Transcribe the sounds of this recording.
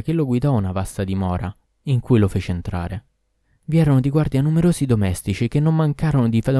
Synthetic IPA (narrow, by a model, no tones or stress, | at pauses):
k̟eloɡwid̪ɔunavast̪ad̪imɔːɾa | iŋkujlofeːt͡ʃeːnt̪ɾa̰ːɾe | viɛːɾonod̪iɡward̪ianːumeɾoːzid̪omɛst̪it͡ʃikenːomːaŋkaːɾonod̪ifad̪